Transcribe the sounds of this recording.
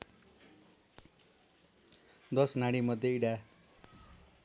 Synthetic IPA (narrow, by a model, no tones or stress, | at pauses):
d̪ʌsnaɽimʌd̪ʱːjeiɽa